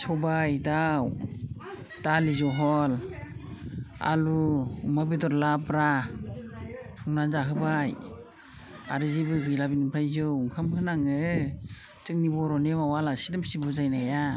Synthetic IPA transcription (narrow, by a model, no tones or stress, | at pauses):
sɔbajdaw | d̥alizɔɦɔl | a̰luumabidɔɾlapɾa | uŋnanzaɦɯbaj | a̰ɾɯzibɯɡɯjlabinɯpʰajzɯwuŋkʰamhɯnaŋɯ | tɯŋnibɔɾɔnemawalasidɯmsibuzajnaja